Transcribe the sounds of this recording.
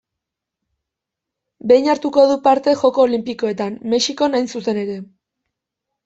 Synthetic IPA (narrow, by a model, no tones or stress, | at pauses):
be̞jɲaɾt̪uko̞ðupaɾt̪e̞xo̞ko̞ːlimpiko̞e̞t̪anme̞ʃiko̞najnsuse̞ne̞ɾe̞